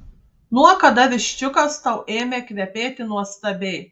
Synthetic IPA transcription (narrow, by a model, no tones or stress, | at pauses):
nuɔkɐd̪ɐʋʲɪʃʲt͡ʃʲʊkɐst̪ɐʊʔeːmʲeːkʲʋʲɛpʲeːt̪ʲɪnuɔst̪ɐbʲɛɪ